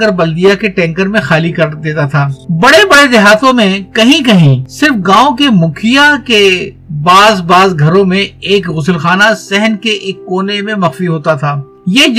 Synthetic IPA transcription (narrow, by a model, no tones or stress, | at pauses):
əɾbɐld̪ijakeʈɛ̃ːŋkəɾmẽxaːlikɐɾd̪eːt̪at̪ʰaːbɐɽebɐɽezɪɦaːt̪ʰõmẽkɐɦĩkɐɦĩsɪɾfɡãːõkemʊkʰijake | baːzbaːzɡʱɐɾõmẽeːkɣʊsəlxaːnasɛɦənkeʔeːkːoːnemẽmɐxfiɦoːt̪at̪ʰaː | jeːd͡ʒ